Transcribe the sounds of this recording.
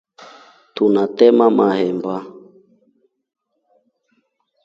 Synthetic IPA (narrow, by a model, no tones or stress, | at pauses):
tunatɛmamahɛmba